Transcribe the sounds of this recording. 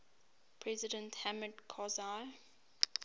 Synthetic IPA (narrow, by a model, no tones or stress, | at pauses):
pʰɹɛzɪdə̃nthæmədkʰɔzaɪ